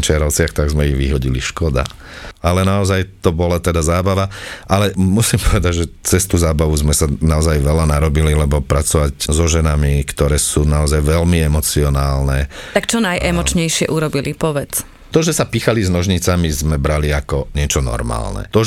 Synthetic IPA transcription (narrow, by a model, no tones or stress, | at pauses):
t͡ʃɪaɾɔʊt͡sɪaxt̪aɡzmɛjiɣʋiɦɔɟiliʃkɔd̪a̰ | alɛnaɔzajt̪ɔbɔlat̪ɛd̪azaːbaʋaʔalɛmusimpɔʋɛd̪aɟʒɛt͡sɛst̪uːzaːbaʋuzmɛsanaɔzajʋɛlanaɾɔbililɛbɔpɾat͡sɔʋaczɔʒɛnamikt̪ɔɾɛːsuːnaɔzajʋɛlmiɛmɔt͡siɔnaːlnɛt̪akt͡ʃɔnajʔɛmmɔt͡ʃɲɛjʃɪɛ̰ʔuɾɔbilipɔʋɛt͡s | t̪ɔʒɛsapixaliznɔʒɲit͡samizmɛbɾaliakɔɲɪɛt͡ʃɔnɔ̰ɾma̰ːlnɛ̰t̪ɔ